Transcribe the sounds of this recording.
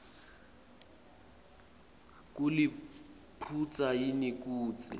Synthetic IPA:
k̬ʼuli | pʰut͡sʼajinik̬ʼuːt͡sʼḭ

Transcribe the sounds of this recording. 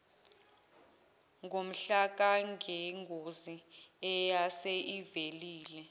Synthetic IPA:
ŋɡʱom̩ɬak̬aŋʱɛŋɡʱoziɛjaseʔiveliːlɛ

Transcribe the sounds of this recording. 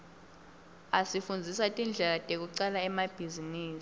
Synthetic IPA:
asifund͡zʱisatʼind͡ɮʱɛlatʼek̬uǀalaɛmab̥ʱiziniːsi̥

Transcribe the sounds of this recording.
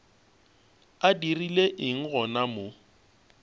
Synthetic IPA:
adirileʔɪŋ̩ɣɔnamo

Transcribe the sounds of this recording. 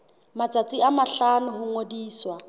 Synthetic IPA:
mat͡sʼat͡sʼiamaɬanʊɦʊŋodiːswa

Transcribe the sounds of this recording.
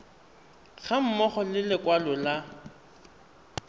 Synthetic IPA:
ɣam̩mɔχɔlɪlɪkwalɔla

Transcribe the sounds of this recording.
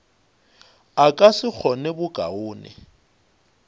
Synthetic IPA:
akʼasɪk͡xʰɔnɛbʊkʼa̰ʊːnɪ̰

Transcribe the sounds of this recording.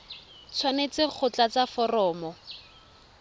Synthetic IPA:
t͡sʰwanet͡sɪk͡xʰʊt͡ɬat͡safɔrɔːmɔ

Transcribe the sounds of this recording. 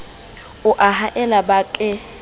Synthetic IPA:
ʊʔaɦaʔɛlabaːkʼɛ

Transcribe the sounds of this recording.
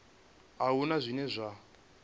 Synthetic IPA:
ɦaɦunazʷinɛzʷa

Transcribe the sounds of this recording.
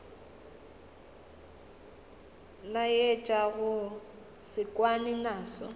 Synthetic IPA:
najet͡ʃʼaɣʊ | sɪkʼwanɪnaːsɔ̰

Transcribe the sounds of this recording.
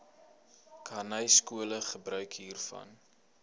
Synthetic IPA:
kʰɐnəjskuələχəbrœɥkɦiːrfɐ̰n

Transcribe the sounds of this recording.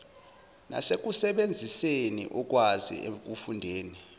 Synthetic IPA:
na̰sek̬usɛɓend͡zʱisenḭʔɔk̬ʼwazḭḛk̬ufundʱeːni

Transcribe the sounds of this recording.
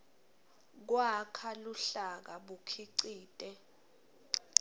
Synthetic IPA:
k̬wakʰaluɬak̬aɓukʰiǀiːtʼɛ

